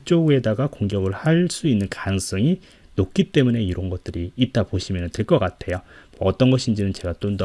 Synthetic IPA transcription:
t͡ɕ͈oɡue̞daɡakoŋɡjʌɡɯɭhaɭs͈uinːɯnkans͈ʰʌŋi | nok͈̚it͈e̞mune̞iɾʌnɡʌt̚t͈ɯɾiːt̚t͈apoɕʰimjʌnɯnteɭk͈ʌk͈atʰe̞jomʌʌt͈ʌnɡʌɕʰind͡ʑinɯnt͡ɕe̞ɡat͈ondʌ

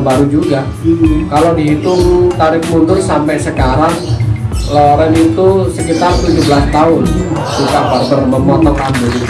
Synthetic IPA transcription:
baɾud͡ʒuɡa | kalodiɦit̪ʊmt̪aɾɪk̚mundʊrsampɛsəkaɾaŋ | loɾɛnit̪usəkit̪art̪ud͡ʒubəlast̪aʊn | sukaʔpəpərbəmɔt̪mət̪ambʊn

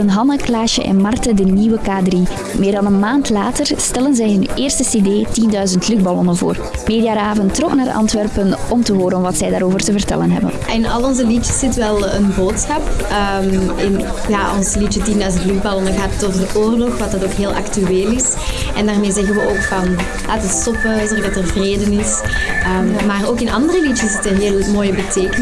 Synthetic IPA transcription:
ənɦɑnəklaːʃə̰ʔɛ̰nmɑrtədəniwəkaːdri | meːrdɑnənmaːntlaːtərstɛlənzɛjɦɵneːrstəsedeːtindœɥzəntlyɡbɑlɔnənvo̰ːr | meːdijaːɾaːvəntːrɔknaːrʔɑ̰ntʋɛrpənɔmtəɦoːɾənnʋɑtsɛjdaːɾoːvərtəvərtɛ̰lənɦɛ̰bə̰nɪnɑ̰lˠɔnzəliəsz̥ɪtʋɛlˠənboːtsxɑpəmɪnjaːʔɔ̰nslit͡ʃətindœɥzəntlyxbalɔnəɣaːtːɔtəʔoːrlɔxʋɑt̚dɑtoːkɦeːlˠʔɑ̰ktyeːlɪs | ɛndaːrmeːzɛɣənʋəʔoːkfɑn | la̰ːtəstɔpəzɛxədɑtərvreːdənɪsəːmmaːroːkɪnʔɑ̰ndərəlitəszɪtənɦeːlˠmoːjəbəteːkən

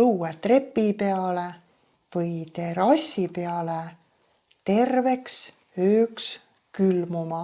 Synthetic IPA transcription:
luːet̪re̞pːˑipeɑle | v̥ɯjt̪e̞ɾɑsʲipeɑle | t̪e̞rve̞ks | øːks | kylmumɑ

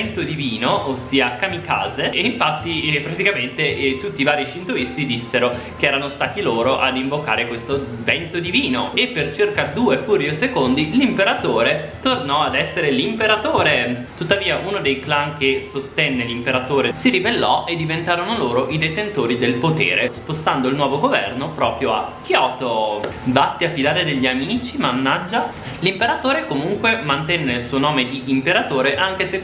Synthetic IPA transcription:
nt̪od̪iviːnoʔːsːiːakamikaːzeiɱfat̪ːipɾat̪ikament̪et̪ut̪ːiːvaːɾit͡ʃint̪uist̪id̪isːeɾo | k̟eɛːɾanost̪aːt̪iloːɾoʔad̪iɱvoka̰ːɾekwest̪o | vɛnt̪od̪iviːnoepːert͡ʃirkad̪uːefuːɾjiosekond̪ilimpeɾat̪oːɾet̪ornɔad̪ɛsːeɾelimpeɾat̪oːɾet̪ut̪ːaviːaʔuːnod̪ejklaŋk̟esost̪ɛnːelimpeɾat̪oːɾesiɾibelːɔʔed̪ːivent̪aːɾonoloːɾoʔid̪et̪ent̪oːɾid̪elpot̪ḛːɾʔḛspost̪and̪oilnwɔːvoɡovɛ̰rnopɾɔːpɾjoa̰k̟ːjɔːt̪obat̪ːiafid̪aːɾed̪eʎːiamiit͡ʃimanːad͡ʒːa | limpeɾat̪oːɾekomuŋkwemant̪ɛnːelsuːonɔːmed̪iʔːmpeɾat̪oːɾeʔaŋk̟ese

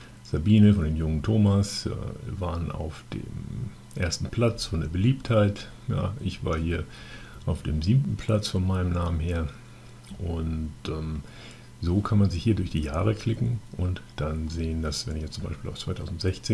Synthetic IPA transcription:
z̥abiːnəfɔndeːmjʊŋəntʰoːmasɛ̰vaːʁəna̰ʊfd̥ḛːm | ʔeːɐstn̩pʰl̥at͡sfɔndeːɐbəliːpthaɪt | ja̰ːʔɪçv̥a̰ːɐhiːɐ | ʔaʊfd̥eːmziːbmtn̩pʰl̥at͡sfɔnmaɪnəmnaːmənheːɐ | ʔʊntʔɛm | zoːkʰanmanzɪçhiːɐdʊɐçd̥iːjaːʁ̞əkʰl̥ɪkŋ̩ʔʊntd̥anzeːəndasv̥ɛ̰nɪçjɛt͡sʊmbaɪʃpiːlʔaʊft͡sv̥aɪtʰaʊzn̩tz̥ɛçt͡seː

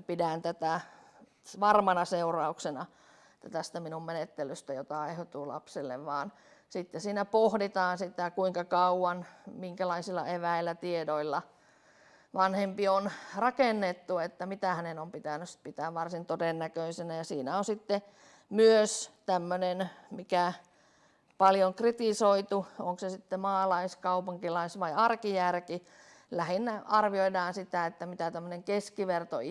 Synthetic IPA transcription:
pidænt̪æt̪æ | ʋɑrmɑnɑseurɑuksenɑ | t̪æt̪æst̪æminummenet̪ːelyst̪æjot̪ɑehot̪uːlɑ̰pselːḛʋʋɑːn | sit̪ːesiːnæpohdit̪ɑːnsit̪ækuiŋkɑkɑuwɑnmiŋkælɑisilːɑ̰eʋæilːˑæt̪iedoilːɑ | ʋɑnhempionrɑkenːet̪ːuet̪ːæmit̪æhænenompit̪ænːˑyst̪̚pit̪æːʋʋɑrsint̪odenːækøisenæjɑsiːnæonsit̪ːe | myøst̪æmːønenmikæ | pɑljoŋkrit̪isoit̪uoŋksesit̪ːemɑːlɑiskɑupuŋkilɑisʋɑiɑrkijærki | læhinːæɑrʋioidɑːnsit̪æet̪ːæmit̪æt̪æmːøneŋkeskiʋert̪o̰

